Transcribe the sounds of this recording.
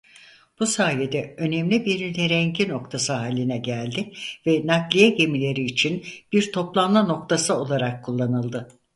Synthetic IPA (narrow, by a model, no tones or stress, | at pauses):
b̥usaːje̞d̪ɛø̞nɛmlʲibiɾnyt̪ʰeɾɛɲɟino̞kt̪ʰasɯɦaːlʲːinɛɟælʲd̪ɪvɛnaklʲijɛɟe̞milʲe̞ɾiːt͡ʃʰinb̥iɾt̪ʰo̞plˠanmano̞k̚t̪ʰasɯo̞lˠaɾakʰːulˠːanɯlˠd̪ɯ